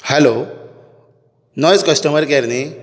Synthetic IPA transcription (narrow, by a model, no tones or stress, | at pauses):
hɛlo | nɔjt͡skəsʈəməɾkɛɾne